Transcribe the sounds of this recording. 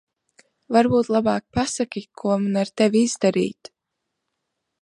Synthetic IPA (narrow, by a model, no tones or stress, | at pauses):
vaɾbuːt̪lˠabɑːk̚pasakʲikʰuɔmanaɾt̪ɛviizd̪aɾḭːt̪